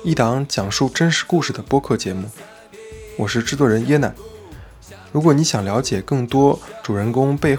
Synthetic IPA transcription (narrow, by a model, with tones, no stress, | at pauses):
i˥˩t̪ɑ˧˥ŋt͡ɕjɑ˨˩ŋʂu˥˩ʈ͡ʂə˥nʂɻ̩˧˥ku˥˧ʂɻ̩˥˩d̪ə˩pwɔ˥kʰɤ˥˩t͡ɕjɛ˧˥mu˥˩ | wɔ˨˩ʂɻ̩˥˧ʈ͡ʂɻ̩˥t̪wɔ˧˩ɻə˧˥njɛ˥na̰˨˩˦ | ɻu˧˥kwɔ˧˩˥ni˧˥ɕjɑ˨˩ŋljɑ˧˥t͡ɕjɛ˨˩kɤ˥˩ŋt̪wɔ˥ʈ͡ʂu˨˩ɻə˧˥nkʊ˥ŋpe˥˧ɪ